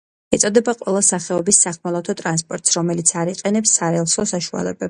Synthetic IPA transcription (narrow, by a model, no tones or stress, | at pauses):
ɛt̪sʼɔd̪ɛbaqʼwɛlˠasaχɛɔbisːaχmɔlˠat̪ʰɔt̪ʼɾans̬pʼɔɾt̪ʼsɾɔmɛlit̪sʰaɾiqʼɛnɛpsːaɾɛlˠsɔsaʃua̰lɛ̰bɛb